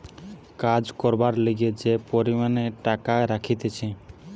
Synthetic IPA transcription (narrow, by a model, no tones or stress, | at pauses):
kad͡ʒkɔɾbaɾləɡed͡ʒepɔɾimaneʈakaɾakʰit̪et͡ʃʰɛ̃